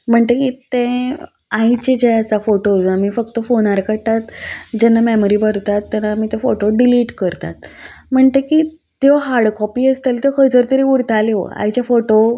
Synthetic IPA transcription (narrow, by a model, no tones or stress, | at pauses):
m̤əɳt̪ekit̪ẽ | ãit͡ɕed͡ʑajat͡safoʈod͡zuamifək̚t̪əfonaɾkəɽt̪at̪d͡ʑɛnːamɛmoɾibəɾt̪at̪ːanːamiːt̪efoʈoɖiliːʈkəɾt̪a̰t̪m̤əɳt̪eki | t̪joɦaɾɽkɔpiːəst̪elt̪jekʰəd͡zəɾt̪əɾiuɾt̪aleʋo̰a̰ɦjt͡ɕjafoʈo